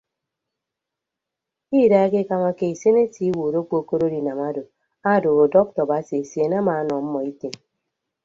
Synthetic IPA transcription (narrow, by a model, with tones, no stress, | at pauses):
i˦˨da˦e˦ke˦ka˦ma˦ke˨i˨se˦ne˦ti˦wu˨ɾo˦k͡po˨ko˦ɾo˦ɾi˨na˨ma˦do˨ | a˦˨do˨ɣo˨dɔ˦k̚tɔ˨ba˨˦si˨e˨sje˨na˦ma˨˦nɔ˨m̩˦mɔ˨i˦te˨n